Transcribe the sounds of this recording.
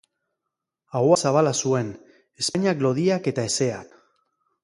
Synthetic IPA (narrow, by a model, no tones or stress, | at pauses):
aɣwasaβ̞alasue̞n | e̞spaɲaklo̞ðiake̞t̪ae̞se̞ak